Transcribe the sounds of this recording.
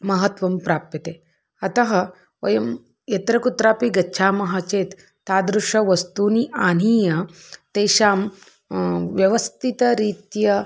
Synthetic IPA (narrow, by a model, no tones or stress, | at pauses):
mɐɦɐt̪ʋɐmpɾaːppɐt̪e | ɐt̪ɐɦɐ | ʋɐjɐm | jɐt̪ɾɐkut̪ɾaːpiɡɐtːʃʰaːmɐɦɐt͡ʃeːt̪ː | aːd̪ɾuʂɐʋɐst̪uːniʔaːniːjɐ | t̪eːʃaːm | ʋjɐʋɐst̪it̪ɐɾiːt̪jɐ